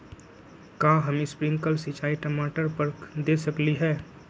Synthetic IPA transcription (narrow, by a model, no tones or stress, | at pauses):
kaːɦɐmɪspɾɪ̃ŋɡkəlsɪt͡ʃaːiʈɐmaːʈəɾpɐɾkd̪eːsɐkliɦɛː